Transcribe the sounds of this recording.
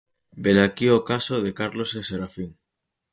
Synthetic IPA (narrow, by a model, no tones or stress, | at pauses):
belakiokasoðekaɾloseseɾafiŋ